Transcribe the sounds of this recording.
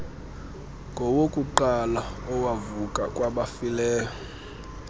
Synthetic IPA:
ŋɡʱɔwokʼuǃalaɔwavukʼakʼwaɓafilɛːjɔ

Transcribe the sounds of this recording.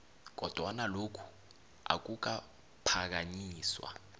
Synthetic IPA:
k̬ɔd̥ʱwanalokʰu̥ | a̰k̬uk̬a | pʰak̬aɲiːswa̰

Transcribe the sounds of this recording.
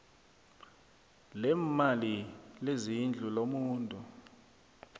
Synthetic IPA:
lɛmalilezind͡ɮʱulomuːntʼu

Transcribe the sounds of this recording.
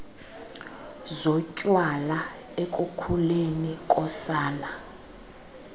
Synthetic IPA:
zɔcʼwala | ekʼukʰulenikʼɔsaːla

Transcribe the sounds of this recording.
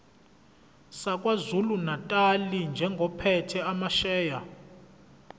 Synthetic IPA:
sakʼwazulunatʼalind͡ʒʱɛŋɡʱɔpʰɛtʰɛamaʃɛːja

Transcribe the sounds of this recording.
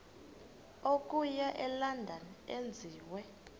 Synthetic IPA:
okʼujaʔɛlandʱaniend͡zʱiːwɛ

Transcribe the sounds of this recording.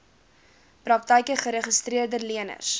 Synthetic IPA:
prɐk̚təjkəχəɾəχəstɾiərdəliənə̰rs

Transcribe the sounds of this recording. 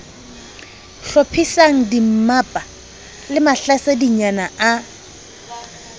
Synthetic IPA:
ɬopʰisaŋ̩dim̩mapʼa | lɪmaɬasadiɲanaa

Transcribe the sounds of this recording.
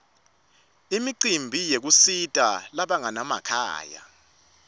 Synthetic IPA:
imiǀimbʱijek̬usitʼalaɓaŋanama̰kʰa̰ːja̰

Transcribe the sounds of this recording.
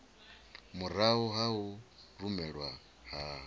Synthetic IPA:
muɾaɦuɦaurumɛɺwa | haɦ

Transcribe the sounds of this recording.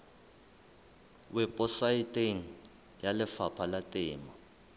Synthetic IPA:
wɛpʼɔsaitʼeŋ̩ | jalɪfapʰalatʼɪːma

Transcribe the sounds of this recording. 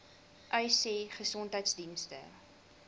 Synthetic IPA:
ʔœɥseχəsɔntɦəjtsdinstə̰

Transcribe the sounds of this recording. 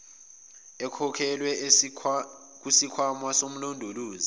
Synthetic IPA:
ɛkʰɔkʰɛlwɛ | k̬usikʰwamwasom̩londʱoluːzi

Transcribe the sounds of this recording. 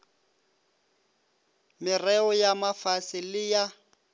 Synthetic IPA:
mɪrɛɔjamafasɪlɪja

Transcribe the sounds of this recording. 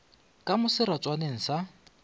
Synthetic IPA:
kʼamʊsɪɾat͡sʼwaneŋ̩sa

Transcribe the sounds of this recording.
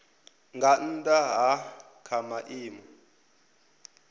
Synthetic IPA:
ŋɡan̩dʼaɦa | kʰamaʔiːmɔ

